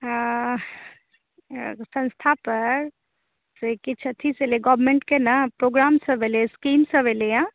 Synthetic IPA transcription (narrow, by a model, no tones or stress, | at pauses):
sə̃nst̪ʰapəɾ | sekit͡ʃʰət̪ʰiseleɡɔbmeɳʈkenapɾoɡɾamsə̃bʱeleskimsə̃bʱelejã